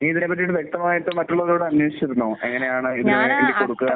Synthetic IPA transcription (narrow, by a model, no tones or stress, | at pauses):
iːiðinep̬ːɐt̬ːiʈːɨʋje̞k̚t̪ɐmaːjɐt̪ːɨmɐtːuɭːɐʋɐðoːɽɨɐnweːʂi̥t͡ɕːiɾunːoːʔe̞̰ŋːɐne̞jaːɳɨiðilumoːjkːindekoɽukːuɣɐ